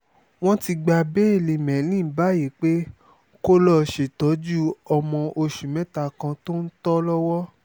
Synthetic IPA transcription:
w̃ɔ̃˦ti˧ɡ͡ba˧be˦e˦˨le˨mɛ̃˨˦lĩ˦˨˦ba˦ji˨˦k͡pe˦ | ko˦lɔ˧˨ʃe˨tɔ˨˦d͡ʒu˦ɔ˧mɔ̃˧ʔo˧ʃũ˨mɛ̃˨˦ta˧˨kã˧to˦n̩˦tɔ˦lɔ˦wɔ˦

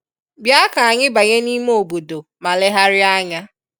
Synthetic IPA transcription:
bja˦ka˨a˨ɲɪ˦ba˨ɲe˦ni˦m˦o˨ɡ͡bo˨do˨ | ma˨lɪ˦ɦa˦ɾɪ˦a˦ɲa˦

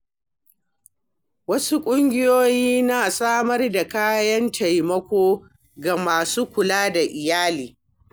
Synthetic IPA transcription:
wɐ˦su˦kʷʼʊ˦ŋɡʲɪ˦joː˦jiː˦naː˨sʼaː˦mɐ˦rda˨kaː˦jɐ˦ntʰa˨jmɐ˦kʷoː˦ | ɡa˨maː˨suː˦kʷʊ˨laː˦da˨ʔɪ˨jaː˦liː˨

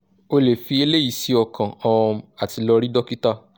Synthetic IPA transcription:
o˧le˨fi˧e˧le˦i˦˨si˨˦ɔ˧kʰã˨ɔ̃˧a˨ti˨˧lɔ˧ɾi˦dɔ˦ki˦ta˦

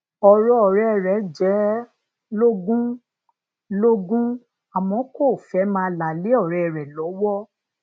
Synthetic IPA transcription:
ɔ˧˨ɾɔ˦ɔ˨ɾɛ˦˨ɾɛ˨˦d͡ʒɛ˨˦ | lo˦ɡũ˦ | lo˦ɡũ˦ | a˨mɔ̃˨˦ko˦˨fɛ˨˦mãː˦la˨le˨˦ɔ˦˨ɾɛ˧˨ɾɛ˨lɔ˨˦wɔ˦

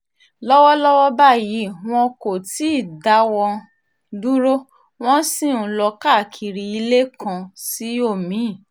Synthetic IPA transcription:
lɔ˦wɔ˦lɔ˦wɔ˦ba˦˨ji˨˦w̃ɔ̃˧ko˨ti˨˦˨da˨˦wɔ˧ | du˦ɾo˦ | w̃ɔ̃˦sĩ˦˨ũ˨˧˦lɔ˧ka˦˨kʰi˨ɾi˧i˧le˦kã˧si˨˦o˦˨mĩ˨˦˨

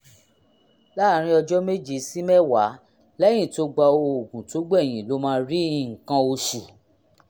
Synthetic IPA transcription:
la˦˨ɾ̃ĩ˧˦ɔ˧d͡ʒɔ˦me˦d͡ʒi˦˨si˦mɛ˦wa˨˦ | lɛ˦j̃ĩ˦˨to˧ɡ͡ba˧o˧o˨ɡũ˨to˨˦ɡ͡bɛ˦˨j̃ĩ˨lo˨˦mãː˦ɾi˦i˦˨ŋ̩˨kã˧o˧ʃi˨

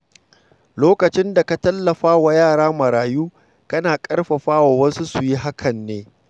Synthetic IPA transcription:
loː˦kɐ˨t͡ʃɪ˦nda˨ka˨tɐ˦lːɐ˨ɸaː˦wa˨jaː˦˨ɽaː˦mɐ˨ɾaː˨juː˦ | kɐ˦naː˨kʼɐ˦rɸɐ˨ɸaː˦wa˨wɐ˦su˦su˨ji˦ɦa˦kʰɐ˨nːeː˦

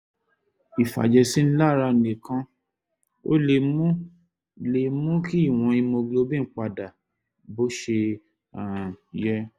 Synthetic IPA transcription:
i˨fa̰˨d͡ʒɛ˧si˦n̩˦la˦˨ɾa˧˨nẽ˨kã˧ | o̰˦le˧mũ˦ | le˨mũ˦ki˦i˦˨w̃ɔ̃˧i˧mo˧ɡlo˧˦bĩ˦˨˦k͡pa˧da˨ | bo˨˦ʃe˧ | a˨jɛ˦

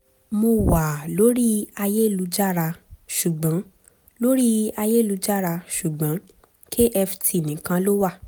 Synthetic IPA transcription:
mo˧wa˨lo˨˦ɾi˦a˧je˦˨lu˨˧˦d͡ʒa˦˨ɾa˧ʃu˨ɡ͡bã˨˦ | lo˦ɾi˦a˧je˦˨lu˧˦d͡ʒa˦˨ɾa˧ʃu˨ɡ͡bã˨˦ | kʰe˦ʔɛ˧fi̥˨tʰi˨˦˨nĩ˨kã˧lo˦wa˦˨

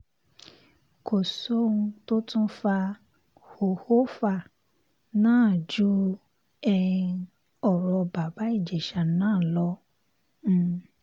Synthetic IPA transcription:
kʰo˨so˦ũ˧to˦tũ˦fa˧ | ho˨ho˦fa˦˨ | nãː˦˨d͡ʒu˦ | ɛ˧ | ɔ˨ɾɔ˧ba˨ba˨˦i˦˨d͡ʒɛ˨ʃa˨nãː˦˨lɔ̃˧˦˧

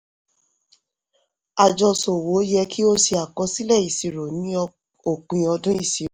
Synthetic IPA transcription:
a˨d͡ʒɔ˧so˨wo˨˦jɛ˧kʰi˦o˦si˧a˨kɔ˧˦si˦lɛ˦˨i˨si˨ɾo˨nĩ˨˦˧ | o˦˨k͡pĩ˧˨ɔ˧dũ˦i˦˨si˨

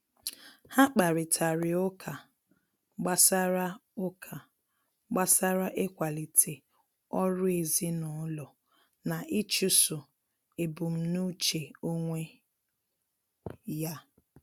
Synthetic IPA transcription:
ha˦k͡pa˨ɾɪ˨tʰa˨ɾɪ˨ʊ˦kʰa˨ | ɡ͡ba˦sa˦ɾa˦ʊ˦kʰa˨ | ɡ͡ba˦sa˦ɾa˦ʔe˦kʷa˨li˨tʰe˨ | ɔ˦ɾʊ˦e˨zi˦nʊ˨˦lɔ˨ | na˨ʔɪ˦t͡ʃʊ˦sʊ˨ | e˨bu˨m̩˦nu˦t͡ʃe˨o˦ŋʷe˦ | ja˦

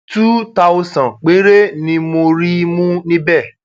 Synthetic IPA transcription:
tu˦ta˦o˦sã˨nk͡pe˨˦ɾe˦nĩ˧mo˧ɾi˦mũ˦nĩ˦bɛ˦˨

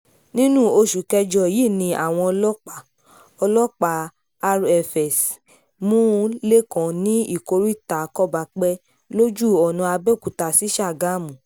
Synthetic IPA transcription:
nĩ˦nũ˦˨o˧ʃu˨kɛ˧d͡ʒɔ˧˨ji˦˨nĩ˧ʔa̰˨w̃ɔ̃˧ɔ˧lɔ˦k͡pa˦˨ | ɔ˧lɔ˦k͡pa˨ | a˧ɾɛ˧˨fɛ˨s | mũ˦le˦kã˨nĩ˦i˦˨ko˧ɾi˦i˦˨ta˨kɔ˦˨ba˨k͡pɛ˧ | lo˦d͡ʒu˦ɔ˨nũ˧a˧bɛ˦˨ku˨ta˧˨si˨˦ʃa˦˨ɡa˨˦mũ˨

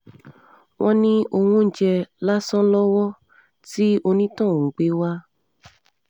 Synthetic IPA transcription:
wʔɔ̃˦nĩ˦o˧wũ˦n̩˦˨d͡ʒɛ˧la˦sɔ̃˦lɔ˦wɔ˦ | ti˦o˧nĩ˦tã˦˨ŋ̩̃˨ɡ͡be˨˦wa˦

